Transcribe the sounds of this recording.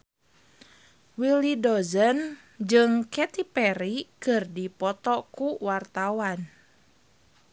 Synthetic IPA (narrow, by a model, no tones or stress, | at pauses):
wilidɔzən | d͡ʒɨŋkɛt̪ipɛɾikɨrdipɔt̪ɔkuwart̪awan